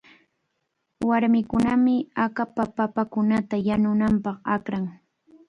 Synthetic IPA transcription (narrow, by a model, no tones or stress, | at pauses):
waɾmɪkʊnamɪakapapapakʊnat̪ajanʊnampɑχakɾaŋ